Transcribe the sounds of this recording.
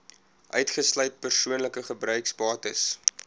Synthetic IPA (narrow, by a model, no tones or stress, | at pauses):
ʔœɥtχəslœɥt̚pərsuənləkəχəbrœɥksbɑːtəs